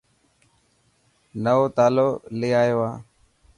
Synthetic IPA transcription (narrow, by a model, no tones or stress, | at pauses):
nəʋoːt̪aːloːleːaːjoːaː